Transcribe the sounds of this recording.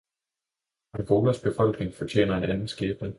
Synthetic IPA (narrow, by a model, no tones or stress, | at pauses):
ænʋo̝ːlɐsb̥e̝fɒ̽l̰ɡ̥ne̝ŋfɒ̽t͡ɕʰḛːnɐe̝nænn̩sɡ̥eːb̥nə